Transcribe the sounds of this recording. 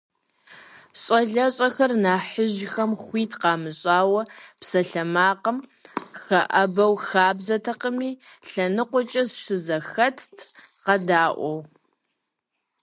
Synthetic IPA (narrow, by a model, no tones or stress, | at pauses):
ɕʼɐɮɐɕʼɐxɐrnaːħəʒxɐmxʷiːtʰqɑːmɨɕʼaːwɐpsɐɬɐmaːqəmxɐʔɐbɐwxaːbzɐtʰɐqəmiːɬɐnɨqʷʊt͡ʃʼɐsʂɨzɐxɐtʰtʰ | qɐdaːʔʷɔw